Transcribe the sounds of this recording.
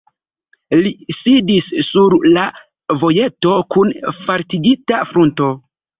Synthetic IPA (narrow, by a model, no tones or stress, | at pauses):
lisidisːuɾla | vo̞je̞to̞kunfaɾtiɡitafɾunto̞